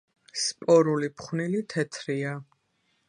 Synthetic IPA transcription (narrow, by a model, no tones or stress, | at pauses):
spʼɔɾulipʰχwnilit̪ʰɛt̪ʰɾia